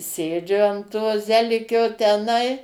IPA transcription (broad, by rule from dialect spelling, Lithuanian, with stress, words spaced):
ˈsʲeːd͡ʒʲʊ ɐn toː ˈzʲæːlʲɪkʲoː tʲɛˈnɐɪ